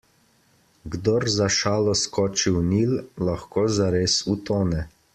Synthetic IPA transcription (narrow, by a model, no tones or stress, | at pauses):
ɡd̪ɔɾzaʃaːlɔskɔːt͡ʃiwniːllaxkoːzaɾeːsut̪oːnɛ